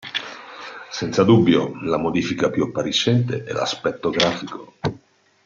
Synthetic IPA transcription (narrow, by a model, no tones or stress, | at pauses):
sɛnt̪sad̪ubːjo̰lamod̪iːfikapjuapːaɾit͡ʃːɛnt̪eʔɛ̰la̰spɛt̪ːoɡɾaːfiko